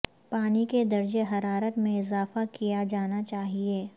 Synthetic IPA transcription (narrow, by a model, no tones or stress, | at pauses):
paːniked̪ɐɾd͡ʒeɦɐɾaːɾət̪mẽɪzaːfakijad͡ʒaːnat͡ʃaːɦieː